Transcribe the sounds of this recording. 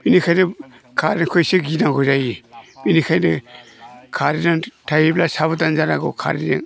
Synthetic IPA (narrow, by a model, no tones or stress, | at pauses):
b̥inikʰajnɯ | kʰaɾinkʰɔjsiɡinaŋɡɔzajib̥inikʰajnɯ | kʰaɾinaŋtʰajiblasaβɯtanzaɾaɡɔ̰kʰa̰ɾinɯ